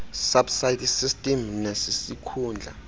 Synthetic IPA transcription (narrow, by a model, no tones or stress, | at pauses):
sabsajtʰsistʼɛmnesisikʰuːnd͡ɮʱa̰